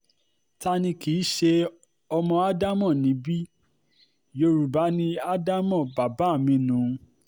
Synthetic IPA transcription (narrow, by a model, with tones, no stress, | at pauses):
ta˦nĩ˧ki˨˦ʃe˧ | ɔ˧mɔ̃˧a˦da˦mɔ̃˦˨nĩ˨˦bi˦ | jo˧ɾu˨ba˨˦nĩ˧a˦da˦mɔ̃˦˨ba˨ba˨˦˨mĩ˧˦nũ˨˦